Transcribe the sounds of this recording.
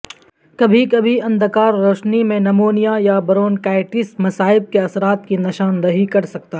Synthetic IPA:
kɐbʱikɐbʱiɐ̃nd̪ʱkaːɾːoːʃnimẽnɐmoːnijajabɐɾoːnkaːɪʈɪsmɐsaːɪb̚keɐsɾaːt̪kinɪʃaːnɾɐɦikɐɾsɐkt̪a

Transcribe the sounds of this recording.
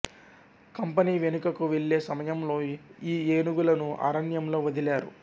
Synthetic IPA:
kɐmpɐniːʋe̞nukɐkuʋeɭːe̞ːsɐmɐjɐmlo̞ːiːeːnuɡulɐnuʔa̰ɾɐnjɐmlo̞ːʋɐd̪ilaːɾṵ

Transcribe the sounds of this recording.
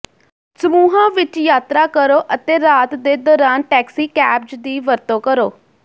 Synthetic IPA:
səmuːɦãːʋɪt͡ʃjaːt̪ɾaːkəɾoːʔət̪eːɾaːt̪d̪eːd̪ɔːɾaːnʈɛːksiːkɛːp̚d͡ʒd̪iːʋəɾt̪õːkəɾoː

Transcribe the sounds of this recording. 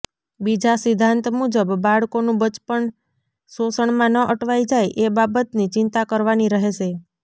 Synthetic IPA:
bid͡ʒasɪd̪ʱːãnt̪mud͡ʒəbːaɭkonũbət͡ʃpəɳ | sosəɳmãnəʔəʈʰʋajd͡ʒajʔebabət̪nit͡ʃɪnt̪akəɾʋaniɾəɦeʃe

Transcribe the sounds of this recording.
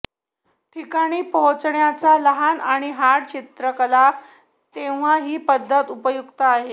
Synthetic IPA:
ʈʰikaɽ̃iːpəɦõt͡sɳjat͡saləɦanaɽ̃iɦaɽt͡ɕit̪ɾəkəla | t̪eʋ̤aɦiːpəd̪ʱːət̪upəjuɡt̪əaɦe

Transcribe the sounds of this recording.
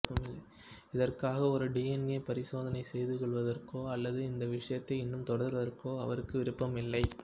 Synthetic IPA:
ɐmɪ | ɪðɐrkaːɣɐɔɾɯɖiːɛneːpɐɾɪsoːðɐnɐɪsɛjðɯkɔɭʋɐðɐrkoːɐlːɐðɯɪnd̪ɐʋɪʂɐjɐt̪ːɐɪɪnːɯmt̪ɔɽɐɾʋɐðɐrkoːɐ̰ʋɐɾɯkːɯʋɪɾɯpːɐmɪlːɐɪ

